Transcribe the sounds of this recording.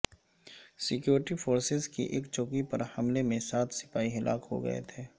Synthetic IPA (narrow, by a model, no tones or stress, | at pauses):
sɪkjuːɾɪʈifʰoːɾsɪzkḭʔeːkt͡ʃoːkipɐɾhɐmlemẽsaːt̪ʰsɪ̥faːiɦɐlʔa̰ːkɦo̰ɡɐ̰ḛt̪ʰeː